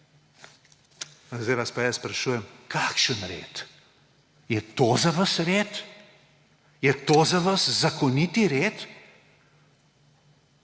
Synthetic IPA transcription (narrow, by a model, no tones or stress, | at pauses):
zd̪ɛjʋaspajasspɾɐʃuːjɛmkʰakʃənɾḛːt̪ | jɛt̪ozaʋəsɾeːt̪ | jɛt̪oːzaʋɐszakɔnit̪iɾeːt̪